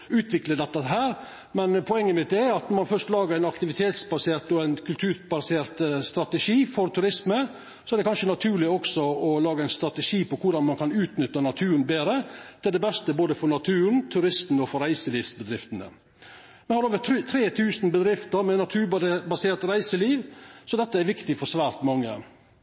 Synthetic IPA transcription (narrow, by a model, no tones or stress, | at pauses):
ʉːt̪ʰʋɪkləd̪ɛt̪ːəɦæːɾ | mɛnpʰɔɛŋːəmɪt̪̚d̪ɛɑt̪nɔɾmɑnfœʂt̪lɑːɡəɾæɪnɑkt̪ɪʋɪt̪ʰeːt̪sbɑseːɾt̪ɔæɪnkʰʉlt̪ʰʉːɾbɑseːɾt̪st̪ɾɑt̪əʂiːfɔɾt̪ʰʉɾɪsmə | sɔɛɾɖ̪ɛkʰɑnʂənɑt̪ʰʉːlɪɔksɔɔlɑːɡəæɪnst̪ɾɑt̪əʂiːpɔkʰʊɖɑnmɑnkʰɑnʉːt̪nʏt̪ːənɑt̪ʰʉːɾnbeːɾət̪ʰɪld̪ɛbɛst̪əboːd̪əfɔɾnɑt̪ʰʉːɾnt̪ʰʉɾɪst̪n̩ɔfɔɾæɪsəliːʋsbəd̪ɾɪft̪ənə̰ | mɛhɑɾoːʋət̪ʰɾeːt̪ʰʉːsn̩bəd̪ɾɪft̪əɾmɛnɑt̪ʰʉːbɑseːɾt̪ɾæɪsəliːʋsɔd̪ɛt̪ːəæɾʋɪkt̪ɪfɔɾʂʋæːɾt̪mɑŋːə̰